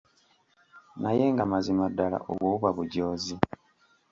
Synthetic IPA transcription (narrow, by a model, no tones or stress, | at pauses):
naje̞ŋɡamazimadːala̰ʔo̰βwoːβuβaβuɟo̞ːzi